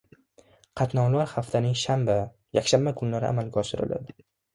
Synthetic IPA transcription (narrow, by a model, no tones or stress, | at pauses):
qʰɑt̪nɒwlaɾχaft̪ʰanɪŋʃamba | ja̰kʲʃambakʰʊnlaɾɪ̰ʔa̰malɡʲaɒʃɪɾɪ̰lʔa̰d̪ɪ